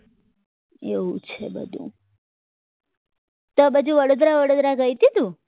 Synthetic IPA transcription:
eɦṵ̃t͡ʃʰḛbə̰d̪ʱṵ̃ | t̪obəd͡ʒũʋəɽod̪ɾaʋəɽod̪ɾaɡəjt̪id̪ũ

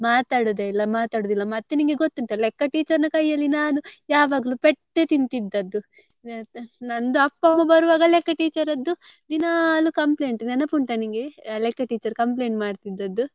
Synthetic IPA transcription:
maːt̪aːɽud̪eilːɐmaːt̪aːɽuːd̪ilːɐmɐt̪ːeniŋɡeɡot̪ːuɳʈɐlɛkːɐʈiːt͡ʃɐɾnɐkɐjːɐlːinaːnujaːʋaːɡɐlupɛʈːet̪int̪id̪ːɐd̪ːu | nɐnd̪uɐpːɐmːɐbɐɾuʋaːɡɐlɛkːɐʈiːt͡ʃɐɾɐd̪ːud̪inalukɐmple̞ːɳʈnɛnɐpuɳʈɐniŋɡelekːɐʈiːt͡ʃɐɾkɐmpleːɳʈmaːɖt̪id̪ːɐd̪ːu

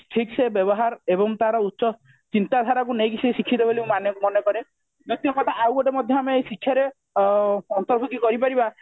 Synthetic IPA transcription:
ʈʰiksebjɔbɔɦaɾebɔŋt̪aɾɔut̪ːsɔ | t͡ʃint̪ad̪ʱaɾakunejkisʰisikʰːit̪ɔbelimanɔmɔnɔkɔɾe | d͡ʒot̪iɔkɔt̪ʰaʔawɔʈemɔd̪ʱjɔameejsikʰːjaɾe | ɔnt̪ɔɾbʱɔkikɔɾipaɾiba

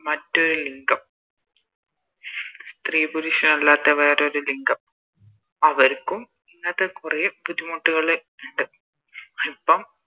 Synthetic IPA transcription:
mɐtːo̞ɾuliŋɡɐm | st̪riːbuɾiʂɐnɐlːaːt̪ːɐʋeːɾoɾuliŋɡɐm | ɐʋɐɾkːum | inːɐðekurejbud̪ʱːimoʈːuɣɐɭe | uɳɖɨ | ipːɐm

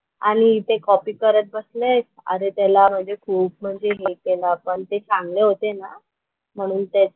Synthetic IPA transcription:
aɽ̃it̪ekɔpiːkəɾət̪̚bəslesə̰ɾet̪alam̤əɳd͡zekʰuːp̚m̤əɳd͡zeɦekelapəɳt̪et͡sãŋɡleɦot̪ena | m̤əɽ̃uːnt̪e

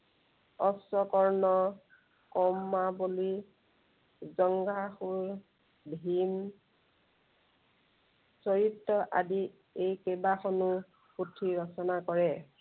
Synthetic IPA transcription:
ɔsɔkɔɹnɔ | kɔmːaboli | zɔŋɡaxuɹ | bʱim | sɔɹitːɔʔa̰di | ejkebaxɔnu | xutʰiɹɔsɔnakɔɹɛ

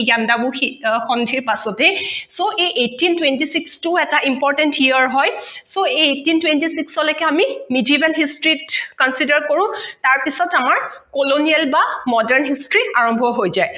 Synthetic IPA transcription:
jandabʊxixɔndʱiɹpasɔtɛsoʔejʔetːintwentisikstuɛtaʔimpɔɹtɛntiəɹɦɔjsoeetintwentisiksɔlɔkɛamimudiibɛlɦistɹitkɔnsidaɹkoɹʊ̃taɹpisɔtamaɹkoloniɛlbamɔdɛɹnɦistɹiaɹɔmbʱɔɦojzaj

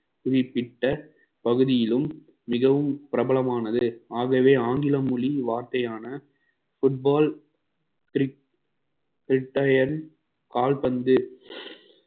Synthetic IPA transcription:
pʊðɪpːɪʈːɐ | pɐɣɯðɪjɪlɯmː | ɪɣɐʋɯmpɪɾɐbɐɭɐmaːnɐðɯaːɣɐʋeːaːŋɡɪlɐmʊɭiʋaːɾt̪ɐjaːnɐ | fʊʈ̚baːl | kɾ | kɾɪʈːɐjɐɾn | kaːlpɐnd̪ɯ

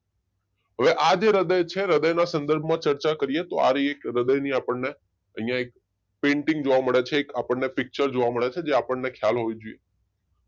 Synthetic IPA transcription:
ɦəʋeʔad͡ʒeɾəd̪əjt͡ʃʰeɾəd̪əjnasənd̪əɾbʱmãt͡ʃəɾt͡ʃakəɾijet̪oa̰ɾiekɾəd̪əjniapəɳne | əɦijãek̚ | pẽɳʈĩŋɡd͡ʒoʋaməɭet͡ʃʰeːkapəɳːepɪk̚t͡ʃəɾd͡ʒoʋaməɭet͡ʃʰed͡ʒeapəɳnekʰjalɦoid͡ʒoije

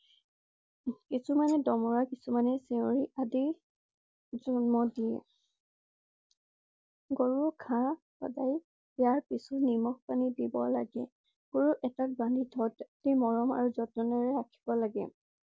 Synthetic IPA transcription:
kisumanɛdɔmɔɹakisumanɛseoɹiʔadi | zɔnmɔdiɛ̰ | ɡoɹuɹkʰã | pa̰daj | jaɹpisɔnimɔx̚panidibɔla̰ɡɛ | ɡɔɹuʔɛtak̚bãndʱidʱɔtdimɔɹɔma̰ɹuzɔtɔnɔɹɛɹakʰi̥bɔlaɡɛ̰

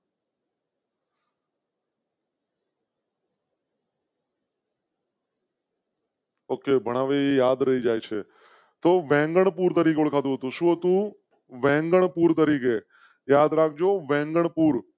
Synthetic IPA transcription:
okebʱəɽ̃aʋejad̪ɾəɦid͡ʒajt͡ʃʰe | t̪oʋɛ̃ŋɡəɳpuɾt̪əɾik̬euɭkʰat̪̬ũɦət̪ũʃũːɦət̪ũ | ʋɛ̃ŋɡəɳpuɾt̪̬əɾike | jad̪ɾak̚ʰd͡ʒoʋɛ̃ŋɡəɳpuɾ

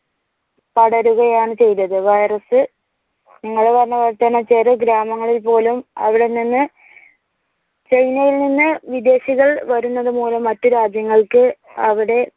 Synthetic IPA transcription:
pɐɽɐɾuɣɐjaːɳɨt͡ɕe̞jt̪ːɐðɨʋɐjrɐsɨ | niŋːɐɭeʋɐnːɐʋɐt̪ːɐnɐt͡ɕe̞ːrɨɡɾaːmɐŋːɐɭilpo̞ːlumɐ̰ʋiɽe̞nːinːɨ | t͡ɕe̞jnɐjilninːɨʋid̪e̞ːɕiɣɐɭʋɐɾunːɐðɨmuːlɐmːɐtːɨɾaːd͡ʑjɐŋːɐɭkɨ | ɐʋiɽe̞

